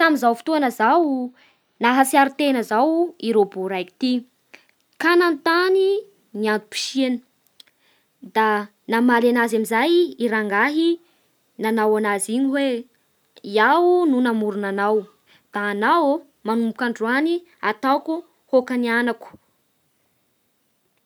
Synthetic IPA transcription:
samizawfi̥t̪uanəzaw | naɦasiaɾit̪enəzawiɾobuɾajki̥t̪i | kanant̪ani | niant̪u̥pi̥ʃieni̥ | d̪a | namalenazamizajiɾaŋɡaɦi | nanawanaziɲiwe | iaununamuɾunanaw | d̪̥aːnaw | manumbukaɳɖ͡ʐuani | at̪aku | hokanianaku̥

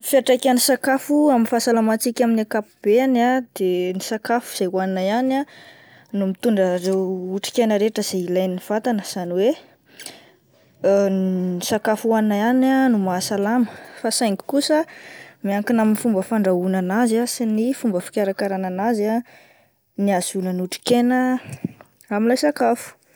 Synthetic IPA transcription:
fiaʈ͡ʂakʲanisakafuaminfasalamat͡sikʲaminakapub̥eanad̪̥enisakafu̥z̥ajwaninaiana | numit̪uɳɖ͡ʐəɾewuʈ͡ʂi̥kʲajnəɾeʈ͡ʂəz̥eilajniiv̥at̪anəz̥aniwe | isakafuaninaananumasalaməfasajŋki̥kusəmiaŋkinaminifumbəfaɳɖ͡ʐaunanazasinifumbəfi̥kʲaɾakaɾananaza | niaz̥unənuʈ͡ʂi̥kenə | amilajsakafu̥

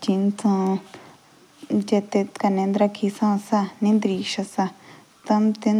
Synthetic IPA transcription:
t͡ʃint͡s̪ʰã | d͡ʒet̪ekanẽnd̪ɾakʰisãsanĩnd̪ɾiːʃasa | t̪ɐmt̪en

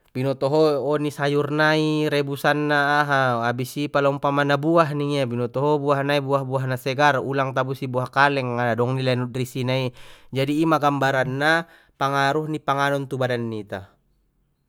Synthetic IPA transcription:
binɔt̪ɔɦɔɔnisajurnaiɾɛbusanːaːɦaabisipalaumpamanabuaɦniŋiabinɔt̪ɔɦɔbuahnaibuahbuaɦnasɛɡarulaŋt̪abusibuahkalɛŋadadɔŋnilanut̪risinaid͡ʒadiːmaɡambaɾanːa | paŋaɾuhnipaŋanɔnt̪ubadanːit̪a

